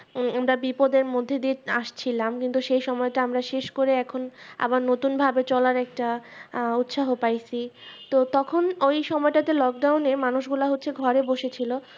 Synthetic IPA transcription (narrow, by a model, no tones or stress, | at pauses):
amɾabipod̪eɾmod̪ʱːed̪ieaʃt͡ɕʰilamkint̪uʃejʃɔmɔeʈaamɾaʃeʃkoɾeɛkʰona̰baɾnot̪unbʱabet͡ɕɔlaɾɛk̚ʈaut̪ʃaɦopajt͡ɕʰit̪ot̪ɔkʰonojʃɔmɔeʈat̪elɔk̚ɖawnemanuʃɡulaɦotːɕʰeɡʱɔɾeboʃet͡ɕʰilo